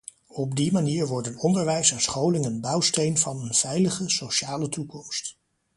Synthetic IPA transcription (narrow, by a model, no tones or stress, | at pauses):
ɔbdimaniːɹʋɔɹdənɔndəɹʋɛjsansχowlɪŋənbɑwstejnvɑnənv̥ɛjləχəsowʃaːlətukɔmst